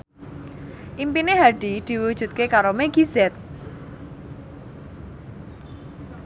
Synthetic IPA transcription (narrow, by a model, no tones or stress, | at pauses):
ʔimpineɦaɖ̥id̪̥i̤wud̥ʒ̥ṳt̪̚kekaɾomeɡi̤zɛt̪̚